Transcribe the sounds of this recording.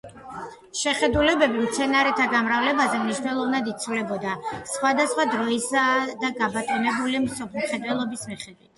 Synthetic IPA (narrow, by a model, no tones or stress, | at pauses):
ʃɛχɛd̪ulɛbɛbimt̪sʰɛnaɾɛt̪ʰaɡamɾavlɛbazɛmniʃnɛlˠɔvnad̪it̪sʰulɛbɔd̪asχwad̪asχwad̪ɾɔisad̪aɡabat̪ʼinɛbulimsɔpʰmχɛd̪wɛlˠɔbismiχɛd̪wit̪ʰ